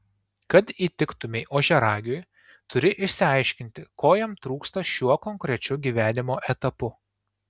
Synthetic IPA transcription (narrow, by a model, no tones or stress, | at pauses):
kɐt̪iːt̪ʲɪkt̪ʊmʲɛɪʔoːʒʲɛɾɑːɡʲoj | t̪ʊɾʲɪʔɪʃʲsʲɪɐɪʃʲkʲɪnʲt̪ʲɪkoːjɛmt̪ɾuːkst̪ɐʃʲuɔkɔŋʲkɾʲɛt͡ʃʲʊɡʲiːʋʲæːnʲɪmoːʔɛt̪ɐpʊ